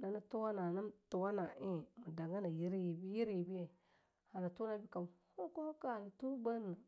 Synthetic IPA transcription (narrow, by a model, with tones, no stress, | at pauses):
na˨na˦tu˦wa˦na˨na˦m˦tu˨wa˦na˨e˦mu˨da˨ɡa˦na˨ji˦ɾi˦ji˨bi˦ji˦ɾi˦˨bi˦je˨ | ha˨na˨tu˦na˦bi˦ka˨m˨ho˦ko˦ho˦ka˦a˨la˨tu˦ba˦a˨